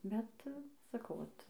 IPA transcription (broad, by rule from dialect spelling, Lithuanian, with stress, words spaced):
ˈbʲɛt sɐˈkɐʊ ˈʋɐt